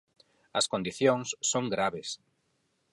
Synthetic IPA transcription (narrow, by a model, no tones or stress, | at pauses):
ɐskond̪iθjoŋsːoŋɡɾaβes